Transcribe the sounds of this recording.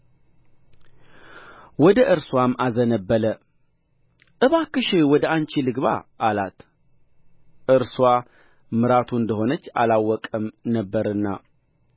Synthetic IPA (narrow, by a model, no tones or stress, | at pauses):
wɔd̪əʔɨɾswamʔazənəbːələ | ʔɨβakɨʃɪwɔd̪əant͡ʃilɨɡβa̰ʔːlat̪ | ʔɨɾswa | mɨɾat̪ʰuɨnd̪əɦo̞nət͡ʃːa̰lawːɔkʼəmnəbːəɾɨnːa̰